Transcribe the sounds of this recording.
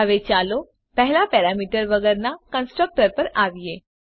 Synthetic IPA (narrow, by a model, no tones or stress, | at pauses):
aʋet͡ɕalo | pɛɦlapɛɾamiʈəɾʋəɡəɾnakənsʈɾək̚ʈəɾpəɾaʋje